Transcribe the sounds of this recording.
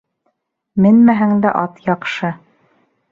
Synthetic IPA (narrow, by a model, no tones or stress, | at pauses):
mɘnmæɦæŋd̪æʔɑt̪jɑqʃɤ